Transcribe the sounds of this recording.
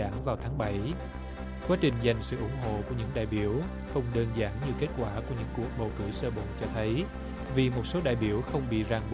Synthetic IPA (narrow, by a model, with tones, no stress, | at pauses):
aː˧˩ŋvaː˨˩wt̪ʰaː˨˦ŋɓa˧˩j | kwaː˨˦t͡ɕï˨˩ŋ̟za˨˩jŋ̟sɨ̰˧˨ʔʊ˧˥ŋ͡mɦo̰˧˨ku˧˩əɲɨ̰˧˥ŋɗa̰ː˧˨jɓi˧˩əw | xə˧wŋ͡mɗəː˧nzaː˧˩nɲɨ˧˩ke˦˥t̚kwaː˧˩ku˧˩əɲɨ̰˧˥ŋku˨˩ək̚ɓə˨˩wkɨ˧˩əjsəː˧ɓə̰˧˨nt͡ɕɔ˧t̪ʰə˨˦j | vi˨˩mo˨˩t̚so˨˦ɗa̰ː˨jɓi˧˩əwxə˧wŋ͡mɓḭ˧˨zaː˧ŋɓ